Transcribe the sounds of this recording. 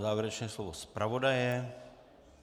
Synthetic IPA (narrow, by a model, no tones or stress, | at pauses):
zaːvjɛɾɛt͡ʃnɛːslovospɾavodajɛ